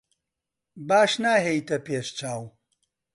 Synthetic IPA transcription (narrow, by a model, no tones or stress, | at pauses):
baːʃnaːɦejt̪ɐpeːʃt͡ʃaːw